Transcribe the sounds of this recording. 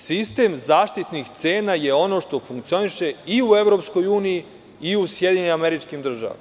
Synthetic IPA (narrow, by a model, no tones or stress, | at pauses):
sist̪e̞mzaːʃt̪it̪nixt̪se̞ːnajeo̞no̞ʃt̪o̞fuŋkt̪sio̞niʃe̞iue̞ʋɾo̞psko̞juːniji | iusjed̪iɲeneame̞ɾit͡ʃkimd̪r̩ʒa̰ʋa̰mm